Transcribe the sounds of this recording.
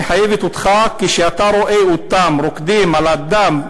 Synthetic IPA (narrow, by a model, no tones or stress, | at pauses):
ħajevet̪ut̪χakːiʃeat̪aɾoʔeut̪amɾokd̪imʕalad̪am